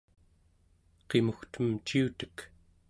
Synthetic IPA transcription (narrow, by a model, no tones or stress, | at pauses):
qemuxt̪əmt͡ʃiut̪ə̥k